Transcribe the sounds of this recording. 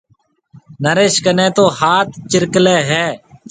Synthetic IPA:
nəɾeːʃkənẽːt̪oːhaːt̪ʰt͡ʃɪɾkleːɦɛː

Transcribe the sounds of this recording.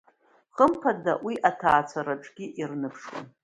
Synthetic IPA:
χəmpʰadawiʔatʰaːt͡sʷʰaɾaʈ͡ʂʼɡ̥ʲiʔirnɨpʰʂwa̰n

